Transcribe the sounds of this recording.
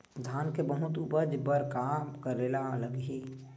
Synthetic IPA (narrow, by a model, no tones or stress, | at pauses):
d̪ʱaːnkebəɦʊt̪upəd͡ʒpəɾkaːmkəɾelaləɡɦi